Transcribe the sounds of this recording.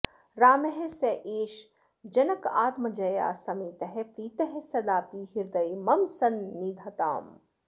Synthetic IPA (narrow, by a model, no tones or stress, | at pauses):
ɾaːmeɦeseʔeːʃ | d͡ʒɐnɐkaːt̪mɐd͡ʒɐja̰ːsɐmiːt̪ɐɦepɾiːt̪ɐɦesɐd̪aːpiɦiɾd̪ɐjmɐmsɐnːiːd̪ʱɐt̪a̰ːm